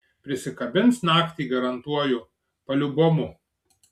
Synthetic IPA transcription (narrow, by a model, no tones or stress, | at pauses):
pʲɾʲɪsʲɪkɐbʲɪnsnɑːkt̪ʲiːɡɐɾɐnt̪uɔjʊ | pɐlʲʊboːmʊ